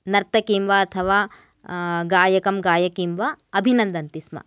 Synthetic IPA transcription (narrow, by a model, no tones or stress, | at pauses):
nɐɾt̪ɐkiːmʋɐɐt̪ʰɐʋaː | ɡaːjɐkɐmɡaːjɐkiːmʋɐɐbʱinɐnd̪ɐnt̪ismɐ̰